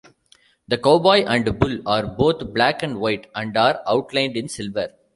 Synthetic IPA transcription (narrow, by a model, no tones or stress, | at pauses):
d̪ɐkoːbɔːɪʔæ̃ɳɖbʊlaːɾboːt̪ʰblækæ̃ɳɖʋaɪʈæ̃ɳɖaːɾaʊʈlãɪ̃ɳɖɪ̃nsɪlʋəɾ